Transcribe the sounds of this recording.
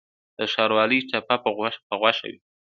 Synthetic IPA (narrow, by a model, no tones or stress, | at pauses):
d̪̥əʃɑɾwɑlət͡ʃapapəapəɣwaʃa̰wḭ